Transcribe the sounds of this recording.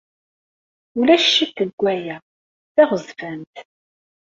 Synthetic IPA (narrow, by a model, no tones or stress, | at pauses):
ʊlæʃːiθəɡʷːæjæ | θæʁəzvænt̪